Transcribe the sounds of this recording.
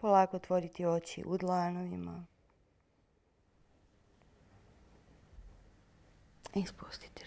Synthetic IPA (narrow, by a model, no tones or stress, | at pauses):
polˠaːkot̪ʋo̞ɾit̪io̞t͡ɕḭʔud̪lˠaːnoʋima̰ | ispust̪i̥t̪i̥